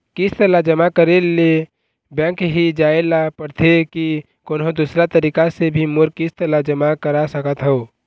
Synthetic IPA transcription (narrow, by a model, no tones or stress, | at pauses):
kɪst̪əlad͡ʒəmakəɾele | bɛ̃ːkɦid͡ʒaːelapəɾt̪ʰeki | koːnɦõd̪uːsɾat̪əɾiːkasebʱimʊɾkɪst̪əlad͡ʒəmakəɾasəkət̪ɦɛo